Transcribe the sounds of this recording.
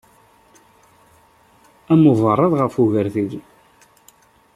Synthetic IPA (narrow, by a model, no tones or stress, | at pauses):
æməvˤərˤːɑðˤʁəfuʝəɾθið